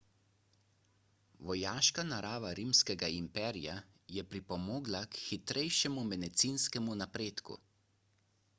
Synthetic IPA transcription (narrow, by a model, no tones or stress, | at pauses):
ʋɔjaːʃkanaɾaːʋaɾiːmskɛɡaimpɛːɾija | jɛpɾipɔmoːɡlakxit̪ɾʔɛjʃɛmumɛd̪ɛt̪siːnskɛmunapɾeːt̪kṵ